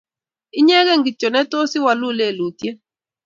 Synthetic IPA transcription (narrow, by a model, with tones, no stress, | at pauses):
ɪ˦ɲɛ˦ɣɛ˦˨ŋɡi˨t͡ʃɔ˨nɛ˦to˦si˦wa˨lʊ˦˨le˦˨lu˨tje˦